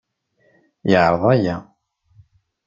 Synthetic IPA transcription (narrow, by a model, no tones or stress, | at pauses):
jəʕɾˤəðˤæjæ